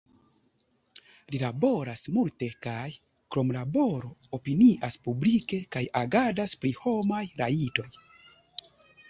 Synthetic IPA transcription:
lilabo̞ɾasmulte̞kaj | kɾo̞mlabo̞ɾo̞opiniʔaspublike̞kajaɡadaspɾiho̞majɾaito̞j

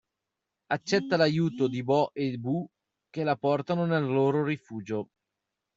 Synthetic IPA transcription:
at͡ʃːɛt̪ːalajuːt̪od̪ibɔʔebu | k̟elapɔrt̪anonelːoːɾoɾifuːd͡ʒo

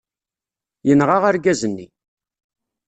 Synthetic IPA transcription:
jənʁaʁaɾɡæzənːḭ

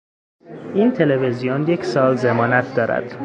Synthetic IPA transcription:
ʔiːnt̪ʰe̞le̞vezijonje̞cʰsɒːlzemɒːnæt̪̚ʰd̪ɒːɾæ̰d̪̥

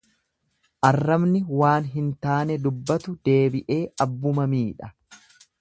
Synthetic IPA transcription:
ʔɐrːɐbnɪwaːnɦɪnt̪aːnɛd̪ʊbːɐt̪ʊd̪̥e̞ːbɪʔe̞ːʔɐbːʊmɐmiːᶑɐ

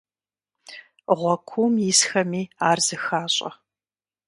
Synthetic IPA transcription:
ʁʷɔkʷʰumjɪsxɐmiːaːrz̥ɨxaːɕʼɐ̰

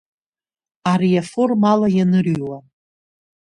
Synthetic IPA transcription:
aɾijafo̞rmalajanɨrɥwa

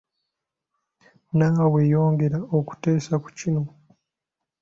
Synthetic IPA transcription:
naːwejo̞ːŋɡe̞ɾaoku̥te̞ːsaku̥cino̞

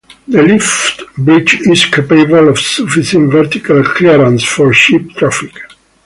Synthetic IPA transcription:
ðəlift̪bɹit͡ʃizkʰapebəlɔvsufisə̃nvɛɾt̪ikalkʰliɾãnsfɔɹʃip̚t̪ʰɾafik

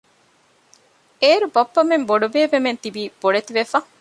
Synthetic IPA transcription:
eːɾubɐpːɐmemboɖubeːʋement̪ibiːb̥oɽet̪iʋefɐ

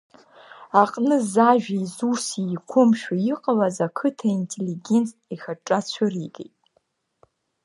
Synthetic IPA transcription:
aqʼnɨzaʒᶣaizusikʷʰʊmʃᶣaiqʼalazakʰɨtʰaintʰʼeliɡʲent͡sʰʼ | ixaʈ͡ʂʼat͡ɕʷʰʊridḛjtʼ

